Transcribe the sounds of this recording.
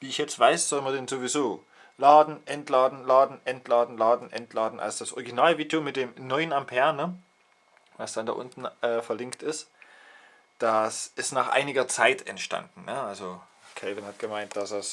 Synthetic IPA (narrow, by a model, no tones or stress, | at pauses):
viːɪçjɛt͡stv̥aɪsz̥ɔlmɐdɛnzovizoː | laːdn̩ʔɛntlaːdn̩laːdn̩ʔɛntʰlaːdn̩laːdn̩ʔɛntʰlaːdn̩ʔa̰lsod̥asʔɔ̰ʁiɡinaːlviːdomɪt̚d̥eːmnɔʏənampʰɛɐnə | vasd̥andaːʔʊ̰ntn̩ʔɛːfɛɐlɪŋktɪst | d̥asʔɪstnaːχʔa̰ɪnɪɡɐt͡saɪtʰɛ̰ntʃta̰ndn̩nəʔalzo | kʰɛvɪnhat̚ɡ̥əmaɪntd̥asd̥as